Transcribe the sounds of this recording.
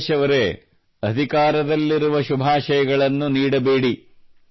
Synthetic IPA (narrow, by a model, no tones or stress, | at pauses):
ʃɐʋɐɾe | ɐd̪ʱikaːɾɐd̪ɐlːiɾuʋɐʃubʱaːʃɐjɐɡɐɭɐnːuniːɽɐbeːɽi